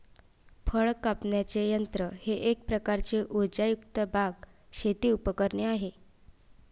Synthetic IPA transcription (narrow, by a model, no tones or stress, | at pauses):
fəɭkapɳjat͡sejənt̪ɾəheʔek̚pɾəkaɾt͡seʔud͡ʑajukt̪əbʱaɡɕet̪iːupəkəɾɳeaɦe